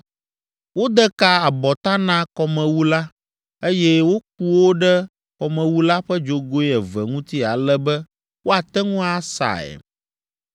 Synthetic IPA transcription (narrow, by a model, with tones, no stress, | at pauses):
wo˦d̪ɛ˦ka˦a˨bɔ˨t̪ã˦nã˦kɔ˨mɛ̃˨wu˦la˦ | e˦jɛ˦wo˦k̚u˦wo˦ɖɛ˦ | kɔ˨mɛ̃˨wu˦la˦ɸɛ˦d͡ʒo˨ɡo˦i˦ɛ˨vɛ˨ŋũ˦t̪i˦a˨lɛ˦bɛ˦ | wo˦a˨t̪ɛ˦ŋũ˦a˦sa̰˨ɛ̰˨